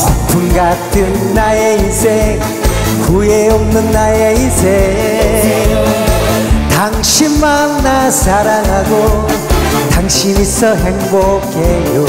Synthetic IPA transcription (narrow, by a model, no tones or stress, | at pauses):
punɡatʰɯnːaeinsʰeŋ | kujeomnɯnːaeinsʰe | taŋɕʰinmanːasaɾanɦaɡo | t̪aŋɕʰinisʰʌɦeŋboɡejo